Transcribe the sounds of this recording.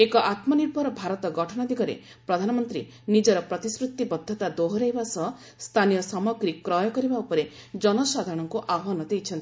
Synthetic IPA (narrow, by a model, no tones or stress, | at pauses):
ekɔʔat̪mɔniɾbʱɔɾɔbʱaɾɔt̪ɔɡɔʈʰɔɽ̃ɔd̪iɡɔɾḛ | pɾɔd̪ʱanɔmɔnt̪ɾḭ | nid͡ʒɔɾɔpɾɔt̪isɾut̪ːibɔd̪ʱːɔt̪ad̪oɦɔɾeɦjbasɔɦ | st̪ʰanijɔsɔmɔɡɾikɾɔjɔkɔɾibaupɔɾe | d͡ʒɔnɔsad̪ʱaɾɔɽ̃ɔŋkuʔabʱɔɦɔnɔd̪ejt͡ʃʰɔnt̪i